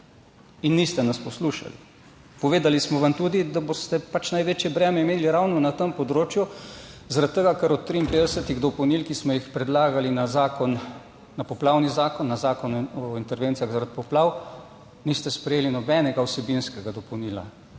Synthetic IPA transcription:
inːist̪ɛnaspɔsluʃa̰lḭ | pɔʋeːd̪alismɔʋamt̪uːd̪id̪abost̪ɛpat͡ʃnajʋeːt͡ʃjɛbɾɛːmɛimeːliɾawnɔnat̪əmpɔd̪ɾoːt͡ʃjuzaɾat̪t̪ːɛɡakəɾɔt̪ːɾiːnped̪ɛsət̪iɣd̪ɔpɔwnilkismɔjixpɾɛd̪laːɡalinazakɔnː | apɔplawnizaːkɔnːazaːkɔnɔint̪ɛɾʋeːnt̪sijaɣzaɾat̪̚pɔplaw | nist̪ɛspɾɛjeːlinɔbɛnɛɡawsɛbinskɛɡad̪ɔpɔwniːla̰

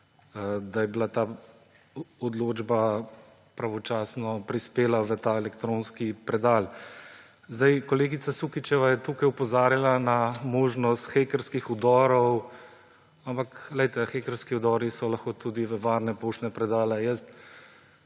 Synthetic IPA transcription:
d̪ajɛbilat̪aː | ɔd̪loːd͡ʒba | pɾaʋɔt͡ʃaːsnɔpɾispeːlaʋət̪aːɛlɛkt̪ɾõːnskipɾɛd̪aːl | zd̪ajkɔleːɡit̪sasukit͡ʃɛʋajɛt̪uːkajupɔzaːɾjalanamoːʒnɔst̪xeːkəɾskixud̪ɔːɾɔw | ampaklɛjt̪ɛxekəɾskiud̪ɔɾisɔlaxkot̪uːd̪iʋəʋaɾnɛpoːʃnɛpɾɛd̪aːlɛjəst̪

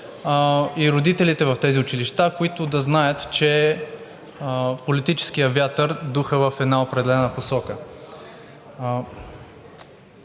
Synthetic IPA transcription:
iɾod̪it̪ɛlit̪ɛvɐft̪ɛziʊt͡ʃiliʃt̪akoit̪ʊd̪ɐznajət̪t͡ʃɛ | polit̪it͡ʃɛ̥skijəvʲjat̪əɾd̪uxəvəfɛd̪naopɾɛd̪ɛlɛnəposɔkə

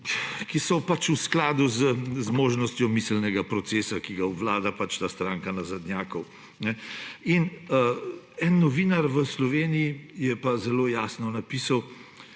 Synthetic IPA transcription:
kisɔpat͡ʃusklaːd̪uzəzmoːʒnɔst̪jɔmislnɛɡapɾɔt̪seːsakiɡaɔʋlaːd̪apat͡ʃt̪aːst̪ɾaːŋkanazad̪njaːkɔw | nɛinə | ɛnːɔʋinaɾʋəslɔʋeːnijijɛpazɛloːjaːsnɔnapiːsaw

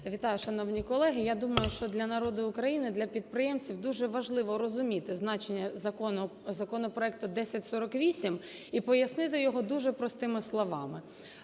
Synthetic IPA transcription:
ʋʲit̪ɑjʊʃɐnɔwnʲikɔlˠɛɦɪjad̪umɐjʊʃt͡ʃɔd̪lʲɐnɐɾɔd̪ʊʊkɾɐjinɪd̪lʲɐpʲid̪̚pɾɪjɛmt͡sʲiwd̪uʒɛʋɐʒlˠɪʋɔɾɔzʊmʲit̪ɪznɑt͡ʃenʲːɐzɐkɔnɔzɐkɔnɔpɾɔɛk̚t̪ʊd̪ɛsʲɐtʲsɔɾɔkʋʲisʲimipɔjɐsnɪt̪̬ɪjɔɦɔd̪uʒɛpɾɔst̪ɪmɪslˠɔʋɑmɪ

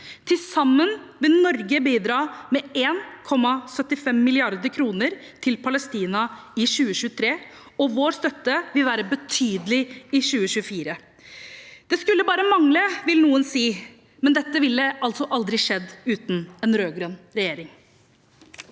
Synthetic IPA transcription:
t̪ʰɪlsɑmːənʋɪlnɔɾɡəbiːd̪ɾɑːmɛeːnkʰɔmːɑsœt̪ːɪfɛmːɪlɪɑɾd̪əɾkʰɾuːnəɾt̪ʰɪlpʰɑləst̪iːnɑɪɕʉːəɕʉːət̪ʰɾeː | ɔʋoːɾst̪œt̪ːəʋɪlʋæːɾəbət̪ʰyːd̪əlɪɪɕʉːəɕʉːəfiːɾə | d̪̥ɛskʉlːəbɑːɾəmɑŋləʋɪlnuːənsiː | mɛnd̪ɛt̪ːəʋɪlːəɑlt̪sɔʔɑld̪ɾɪʂɛd̪ːʉːt̪n̩ɛnɾøːɡɾœnɾɛjeːɾɪŋ

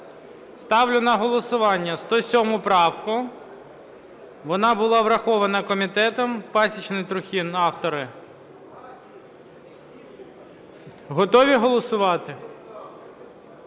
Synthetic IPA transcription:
st̪ɑwlʲʊnɐɦɔlˠɔsʊʋɑnʲːɐst̪ɔsʲɔmʊpɾɑwkʊ | ʋɔnɑbʊlˠɑʋɾɐxɔʋɐnɐkɔmʲit̪ɛt̪ɔmpɑsʲit͡ʃnɪjt̪ɾʊxʲinɑwt̪ɔɾɪ | ɦɔt̪ɔʋʲiɦɔlˠɔsʊʋɑt̪ɪ

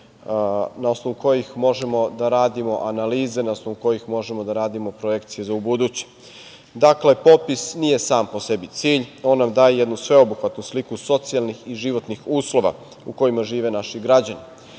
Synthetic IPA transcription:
nao̞snoʋuko̞jixmo̞ʒe̞mo̞d̪aɾaːd̪imo̞ʔanaliːze̞nao̞sno̞ʋuko̞jixmo̞ʒe̞mod̪aɾaːd̪imo̞pɾoje̞kt̪sije̞zaubud̪ut͡ɕe̥ | d̪akle̞po̞pisnije̞saːmpo̞se̞bit̪siːʎo̞ːnːamd̪aːjejed̪nusʋe̞o̞buxʋat̪nuslikuso̞t̪sialˠnixiʒiʋo̞t̪nixuːslo̞ʋa̰ | uko̞imaʒiːʋe̞naʃiɡɾad͡ʑani

